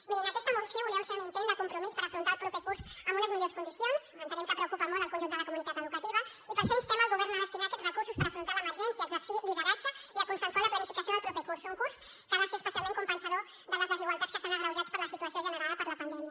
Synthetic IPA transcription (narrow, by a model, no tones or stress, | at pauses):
miɾeŋakest̪amorsjouliaseɾunempeɲuðekompɾomispaɾafɾont̪aɾlpɾɔpekuɾsamunezmeʎoɾeskond̪isjonsmẽnt̪eɾẽŋkepɾeokupamold̪elˠkonʒunt̪dðəlɐkomunit̪at̪eðukat̪iβɐ | ipaɾsest̪emalɣoβ̞ɛɾnoemest̪iðaɾketsrekuɾsuspaɾafɾont̪aɾaemeɾʒɛnsjasliβeɾat͡ʃaiakonsẽnswalaplanifikasjondlpɾɔpekuɾsuŋkuɾs | kalaskespesjalmẽŋt̪kompensaðo | d̪oðezðesiɣwalt̪at̪ske̥sonaɣɾawʒatspoɾlasit̪uasjõʒeneɾaðpoɾlapand̪emja